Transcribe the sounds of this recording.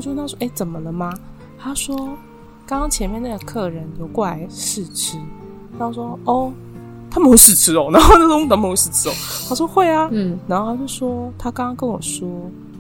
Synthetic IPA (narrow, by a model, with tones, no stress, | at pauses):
t͡ɕo˥˧˥na˥˧˩ʂwɔ˥ʔe˧˥˩t͡sə˨˩nmə˦lə˨ma˨ | t̪ʰa˥ʂwɔ˥ | kɑ˥ŋkɑ˥ŋt͡ɕʰjɛ˧˦nmjɛ˥˧na˥˩ɡə˩kʰɤ˥˩ɻə˨˦nljo˧˦ʊkwɔ˥˩la̰˧˦ɪʂɻ̩˥˩ʈ͡ʂ̩ʰ˧˥ | na˥o˥˧˩swɔ˦˥ɔ˥˩ | t̪ʰa˥mə˧˥˦sɻ̩˥˩ʈ͡ʂʰɻ̩˨˥ɔ˨˦na˧˦xo˥˧na˥˧˥t̪a˧˥m˧˥ʂɻ̩˥˨˩ʈ͡ʂʰɻ̩˧˦ɔ˨˦t̪ʰa˥ʂ̬wɔ˥xwe˥˩ɪa˨˦na˧˥nxo˥˧t̪ʰa˥t͡ɕjo˥˩ʊʂwɔ˦˥t̪ʰa˥kɑ˥ŋkɑ˦ŋkə˦nwɔ̰˨˩ʂwɔ˦˥